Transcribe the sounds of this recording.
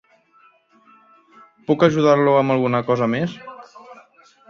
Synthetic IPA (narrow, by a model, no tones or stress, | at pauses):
pukəʒuð̞aɾluəməlˠɣunəkɔzəmes